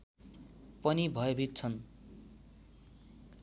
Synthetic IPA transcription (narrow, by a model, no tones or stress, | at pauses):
pʌnibʱʌjobʱit̪̚t͡sʰʌn